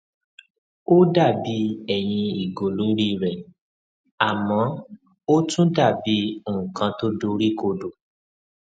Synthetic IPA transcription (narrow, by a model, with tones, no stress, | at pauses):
o˦da˦˨bi˧˦ɛ˦˨j̃ĩ˧i˨ɡo˨lo˨˦ɾi˦˧˨ɾɛ˨ | a˨mɔ̃˨˦ | o˦tũ˦da˦˨bi˨˦˨kã˧to˦do˦ɾi˦ko˧do˨